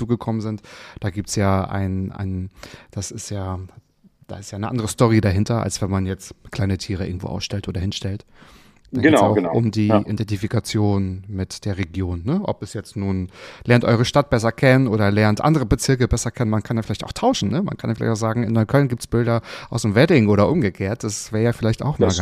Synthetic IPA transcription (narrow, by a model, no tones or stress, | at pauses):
t͡suːɡəkʰɔmənzɪntd̥aːɡiːp̚tsjaːʔa̰ɪnʔa̰ɪnd̥asɪstjaː | d̥a̰ɪstjaːɪnəʔandəʁəstɔʁ̞idaɦɪntɐʔa̰lsv̥ɛnmanjɛt͡stkʰl̥aɪnətʰiːʁ̞əʔɪɐɡŋ̩tv̥o̰ːʔaʊsʃtɛltʔoːdɐɦɪnʃtɛlt | d̥aɡeaʊʔʊ̰mdiːʔidɛntifikat͡sjoːnmɪtd̥eːɐʁeɡjoːnːəʔɔ̰pɛsjɛt͡stnuːnlʔɛɐntʔɔʏʁ̞əʃtat̚b̥ɛs̬ɐkʰɛnənʔoːɾɐlɛɐntʔa̰ndəʁəbət͡sɪɐkəbɛsɐkʰɛnənmankʰanjaːfɪlaɪçtaʊxtʰaʊʃn̩nəma̰nkʰanjaflaɪçtaʊzaːɡŋ̩ɪnːɔʏkʰœlnɡiːp̚tsb̥ɪldɐʔaʊsd̥emvɛdɪŋʔoːɾɐʔʊmɡəkʰeːɐt̚d̥asv̥ɛːjaːfɪlaɪçta̰ʊxmaː